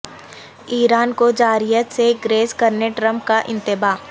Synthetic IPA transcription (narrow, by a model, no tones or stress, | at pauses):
iːɾaːnkod͡ʒaːɾijət̪seɡɾeːskɐɾneʈɾəmp̚kaʔɪ̰̃nt̪ɪbaː